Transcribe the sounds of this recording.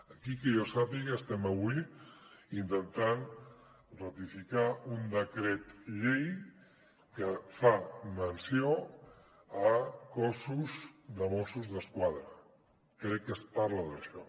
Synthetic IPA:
əkikəjosapiɣəːst̪ɛməβwi | int̪ənt̪an | rət̪ifikaund̪əkɾɛt̪ʎej | kəfamənsio | əkɔsuzd̪əmosuzðəskwaðɾə | kɾɛkːəspaɾləðəʃɔ

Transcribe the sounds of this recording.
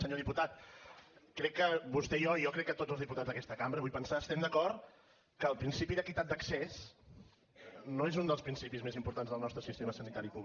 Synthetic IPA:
səɲoðiput̪at̪̚ | kɾɛkːəβust̪ɛjɔijɔkɾɛkːət̪od͡zzəlzðiput̪add͡zðəkɛst̪əkambɾəβujpənsaəst̪ɛmd̪əkɔɾt̪ | kəːlˠpɾinsipiðəkit̪at̪̚d̪əkses | noezund̪əlˠspɾinsipizmezimpuɾt̪anzðəlˠnɔst̪ɾəsist̪eməsənit̪aɾipu

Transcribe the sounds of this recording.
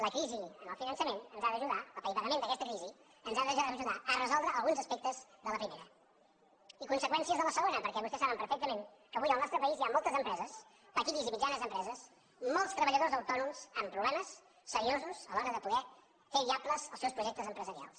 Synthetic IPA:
ləkɾiziənəlˠfinənsəmenənzaðəʒuðaəlˠpəjpəɣəmẽnd̪əkɛst̪əkɾizi | ənzad̪əʒəʒuðaərəzɔlˠd̪ɾəːlˠɣunzəspek̚t̪əzðələpɾimeɾə | ikunsəkwɛnsiəzðələsəɣonəpəɾkɛβust̪ɛsaβəmpəɾfɛk̚t̪əmen | kəβujəlˠnɔst̪ɾəpəiziamɔlˠt̪əzəmpɾɛzəs | pəkiðizimid͡ʒanəzəmpɾɛzəs | mɔlˠst̪ɾəβəʎəðozəwt̪ɔnumz̥əmpɾuβlɛməsː | əɾiozuz̥əlɔɾəðəpuðɛ | feβiakləzəlˠsewspɾuʒɛk̚t̪əzəmpɾəzəɾia̰lˠs

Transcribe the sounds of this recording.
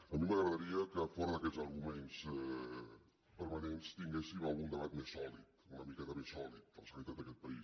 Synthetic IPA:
əmiməɣəɾðəɾiəkəfɔɾɐəkɛzəɾɣumens | pəɾmanẽnst̪iŋɡesiβalund̪əβat̪̚mesɔlit̪unəmikat̪əmesɔlit̪̚ːɔsalit̪at̪əkɛt̪̚pəɾi

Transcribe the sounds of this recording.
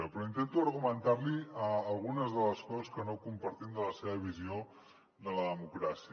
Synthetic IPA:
əpɾɔint̪ent̪uəɾɣumənt̪arliəːlˠɣunəzðələskɔzəskənokumpəɾt̪imd̪ələseβəβizio | d̪ələðəmukɾasi

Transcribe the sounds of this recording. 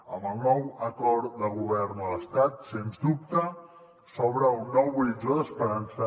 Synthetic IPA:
əmbəlˠnɔwəkɔɾd̪əɣuβ̞ɛrnələst̪at̪senzd̪up̚t̪ə | sɔβɾəunːɔwβid͡ʒoðəspəɾansə

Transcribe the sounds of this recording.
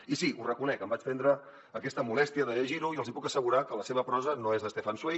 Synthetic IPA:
isiʔurəkunɛkəmbat͡ʃt̪ɛnd̪ɾəː | kɛst̪əmulɛst̪iəðəʎəʒiɾuiəlˠzipukəsəɣuɾakələseβ̞əpɾɔzənoezðəst̪efanswe

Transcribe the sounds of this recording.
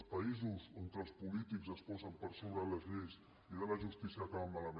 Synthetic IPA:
spəizuzoŋkəːlˠspulit̪ikzəspɔzəmpəɾsoβɾələzʎejs | iðɛβəʒust̪isiəkaəmːaləm

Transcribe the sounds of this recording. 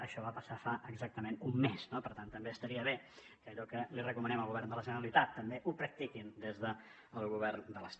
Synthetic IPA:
əʃɔβapəsafaʔəɡzak̚t̪əmenumːeznopəɾt̪ant̪əmbeəst̪əɾiəβ̞e | kəʎɔkəlirəkumənɛməlˠɣuβɛrnd̪ələʒənəɾəlit̪at̪ːəmbeʔupɾək̚t̪ikind̪ezðə | əlˠɣuβɛrnd̪ələst̪

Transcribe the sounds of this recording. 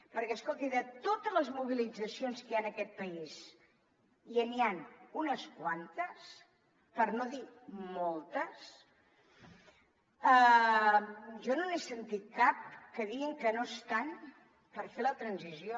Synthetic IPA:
pəɾkɛəskolˠt̪iðət̪ot̪əzləzmuβ̞ilid͡zəsionskəanəkɛt̪̚pəis | iənianunəskwant̪əs | pəɾnoðimɔlˠt̪əs | ə | ʒɔnonesənt̪it̪̚kap̚kəðiɣiŋkənost̪an | pəɾfelət̪ɾənzizjo

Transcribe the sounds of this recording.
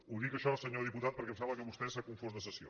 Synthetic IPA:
uðikəʃɔsəɲoðiput̪at̪̚pəɾkɛmsaβəkəβust̪ɛsəkuɱfozðəsəsio̰

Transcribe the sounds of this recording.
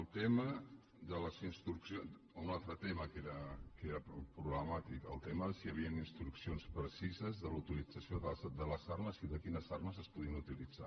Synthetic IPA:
əlˠt̪emə | ðələzinst̪ɾuksion | unalˠt̪ɾət̪eməkeɾəkeɾəpɾuβləmat̪ikə̰lˠt̪eməðəsiəβ̞iəninst̪ɾuksionspɾəsizəzðəlut̪ilid͡zəsioðəd̪ələzarməziðəkinəzarməzəspuðiənut̪ilid͡za̰

